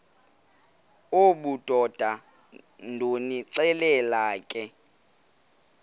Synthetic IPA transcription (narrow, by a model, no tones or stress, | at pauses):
oɓud̥ʱɔd̥ʱa | ndʱoniǁɛlɛlaːkʼɛ